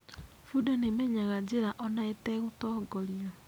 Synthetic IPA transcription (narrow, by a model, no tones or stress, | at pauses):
fudanemɛɲaɣad͡ʑeɾaʔɔnaetɛɣotɔːɡɔɾiɔ